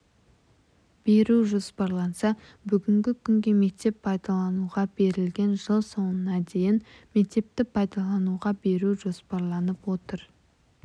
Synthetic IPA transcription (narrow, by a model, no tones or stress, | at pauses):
b̥e̞ɾuʒo̞spɑɾlˠɑnsɑ | bʏɡʲɪŋɡʲɪkʲʰʏŋɡʲe̞me̞k̚t̪e̞pʰɑjd̪ɑlˠɑnuʁɑbe̞ɾɪlɡʲe̞nʒəlˠso̞ənɑd̪e̞jɪnme̞k̚t̪e̞p̚t̪ɪpʰɑjd̪ɑlˠɑnuʁɑbe̞ɾuʒo̞spɑɾlˠɑnəpwo̞t̪əɾ